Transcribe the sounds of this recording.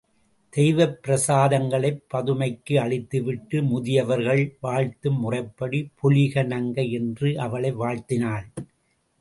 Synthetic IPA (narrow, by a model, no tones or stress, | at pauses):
d̪̥ɛjʋɐpːɪɾɐsaːðɐŋɡɐɭɐɪpːɐðɯmɐɪkːɯɐɭɪt̪ːɯʋɪʈːɯmʊðɪjɐʋɐɾɣɐɭʋaːɻt̪ɯmːʊrɐɪpːɐɽipʰʊlɪɣɐnɐŋɡɐɛndrɯʔɐʋɐɭɐɪʋaːɻt̪ɪnaːɭ